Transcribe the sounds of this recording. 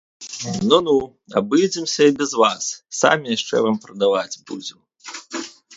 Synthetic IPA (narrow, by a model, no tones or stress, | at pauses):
nunu | a̰bɨd͡zʲɛmsʲɐibʲɛzvasːa̰mʲijaʂt͡ʂɛ̰vampɾɐd̪avad͡zʲbṵd͡zʲɛm